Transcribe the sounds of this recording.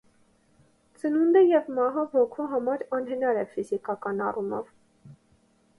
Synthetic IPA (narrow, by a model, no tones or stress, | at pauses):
t͡sənund̪əjɛvmɑɦɑvɔkʰuɦɑmɑɾɑnɦənɑɾɛfizikɑkɑnɑrumɔ̰v